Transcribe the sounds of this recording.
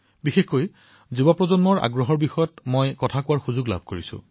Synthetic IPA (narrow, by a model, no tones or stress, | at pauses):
bixexkoj | zubapɹɔzɔnmɔɹa̰ɡɹɔɦɔɹbixɔjɔtmojkɔtʰakʊwaɹxuzʊɡla̰b̚ʱkoɹisʊ̰̃